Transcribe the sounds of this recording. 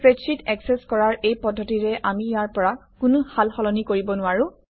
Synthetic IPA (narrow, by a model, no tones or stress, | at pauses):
pɹesitɛksɛskɔɹaɹejpɔdʱːɔtiɹɛʔamijaɹpɔɹakʊnʊhalxɔlɔnikoɹibɔnʊaɹʊ̃